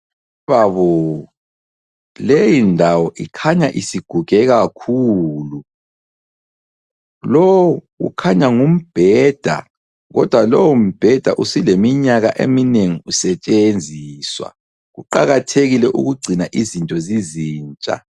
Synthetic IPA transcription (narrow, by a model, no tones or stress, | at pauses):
βaβɔ | lejindʱawɔʔikʰaɲaʔisiɡ̥ʱuɡ̥ʱɛɣakʰulu | lɔwuɣṵkʰaɲaŋum̩b̥ʱɛːd̥ʱa̰ | ɣɔd̥ʱwalɔwum̩b̥ʱɛd̥ʱa̰ʔusilemiɲaɣaʔḛmineŋiusɛt͡ʃʼend͡zʱiːswa̰ | ɣuǃaɣatʰeɣilɛʔṵɣuɡ͡ǀʱinaʔizintʼɔziziːnt͡ʃʼa̰